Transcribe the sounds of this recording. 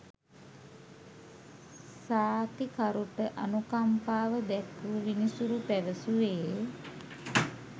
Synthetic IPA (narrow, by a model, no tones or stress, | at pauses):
saːt̪ikaɾuʈəʔanukampaːʋəd̪ɛkuʋinisuɾupæʋəsuʋeː